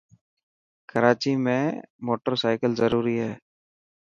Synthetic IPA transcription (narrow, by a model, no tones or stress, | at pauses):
kəɾaːt͡ʃiːmẽːmoːʈəɾsaːɪkəlzəɾuːɾiːɦɛː